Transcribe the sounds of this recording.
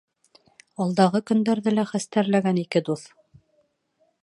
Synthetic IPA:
ɑlˠd̪ɑʁɤkɵ̆nd̪æɾðɘlæχæst̪æɾlæɡænikɘd̪uθ

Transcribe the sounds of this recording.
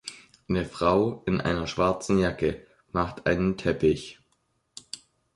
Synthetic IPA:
nəfʁ̥aʊʔɪnʔa̰ɪnɐʃv̥aɐt͡sn̩jakə | maχtʔa̰ɪnəntʰɛpɪç

